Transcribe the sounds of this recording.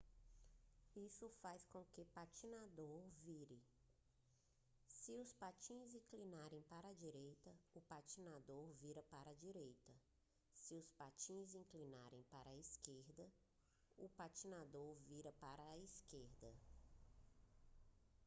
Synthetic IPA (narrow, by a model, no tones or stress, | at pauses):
isʊfajskõkɪpat͡ʃinad̪oɾviɾɪ | sɪʊspat͡ʃĩzĩklinaɾẽj̃paɾɐd͡ʒiɾejt̪ɐʊpat͡ʃinad̪oɾviɾɐpaɾɐd͡ʒiɾejt̪ɐ | sɪʊspat͡ʃĩzĩŋklinaɾẽj̃paɾɐiskeɾd̪ɐ | ʊpat͡ʃinad̪oɾviɾɐpaɾɐiskeɾd̪ɐ